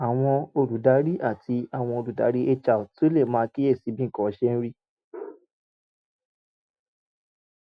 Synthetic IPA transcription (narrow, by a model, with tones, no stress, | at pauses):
a˨w̃ɔ̃˧o˧ɾu˨˦da˨˦ɾi˦ʔa˦˨tʰi˧a˨w̃ɔ̃˧o˧ɾu˨da̰˨˦ɾi˦e˧t͡ʃa˨u˨to˦le˦˨mãː˦˧ki˦e˦˨si˨˦bĩ˦ŋ̩˨kɔ̃˨˦˧ʃe˦n̩˦ɾi˦